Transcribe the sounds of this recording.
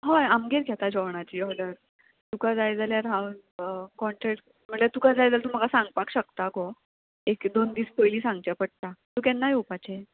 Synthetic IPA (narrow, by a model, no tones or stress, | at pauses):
ɦajamɡeɾɡʱɛt̪ad͡ʑɔwɳ̃at͡ɕiːɔləɾ | t̪ukad͡zajd͡zaljaɾɦã | kɔ̃ɳʈeʈ | m̤əɳlat̪ukad͡zajd͡zalt̪um̤əɡasãŋɡ̚pakɕəkt̪aɡo | ekd̪ond̪iːspojlĩːsãŋɡt͡ɕapəɽ̚t̪at̪uːkɛnːajupat͡ɕe